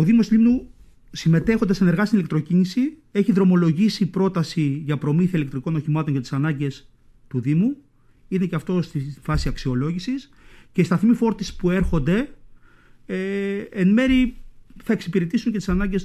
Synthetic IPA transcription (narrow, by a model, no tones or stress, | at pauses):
oðimo̞slimnu | sime̞t̪e̞xo̞nd̪eseneɾɣɐst̪inilekt̪ɾo̞cinisi | e̞çiðɾo̞mo̞lo̞ʝisipɾo̞t̪ɐsiʝɐpɾo̞miθiɐile̞k̚t̪ɾiko̞no̞çimɐt̪oɲcɐt̪i̥sɐnɐɲɟe̞s | t̪uðimu | ine̞ceɐft̪o̞st̪ifɐsiɐksio̞lo̞ʝisis | ce̞st̪ɐθimifo̞ɾt̪ispue̞ɾxo̞nd̪e̞ | eenmeɾiθɐe̞ksipiɾet̪isuŋce̞t̪isɐnɐɲɟe̞s